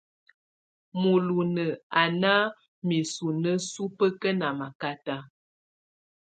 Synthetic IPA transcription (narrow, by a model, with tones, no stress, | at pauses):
mu˨lu˨nə˨a˨na˦ | mi˨su˨nə˦su˦pə˦kə˦na˨ma˨ka˦ta˦